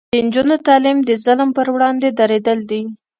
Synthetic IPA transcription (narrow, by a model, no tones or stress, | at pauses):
ənd͡ʒunot̪ɑlimd̪əzalmpəɾwɽɑnd̪ed̪aɾed̪əld̪i